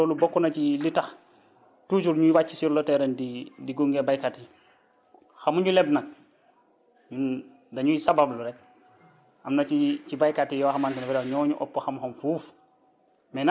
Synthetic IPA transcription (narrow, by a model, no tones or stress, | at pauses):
ɔlubɔkːunacilitɐx | tuːt͡ʃuɾɲujiwac̚t͡ʃːisiɾlɔtɛɾɛndidiɡuŋɡebajkati | xamuɲulɛbnak̚ | ɲu | dɐɲujsababluɾɛk̚ | ɐmnɐt͡ʃicibajkatijɔxamaːntinafiɾaɲɔːɲuʔɔ̰pːɔxamxɔmfuːf | mɛna